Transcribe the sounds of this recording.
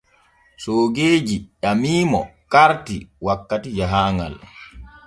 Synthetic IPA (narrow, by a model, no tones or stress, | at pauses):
soːɡeːd͡ʒiʔamiːmɔkaɾtiwakːatid͡ʒaɦaːŋɡa̰l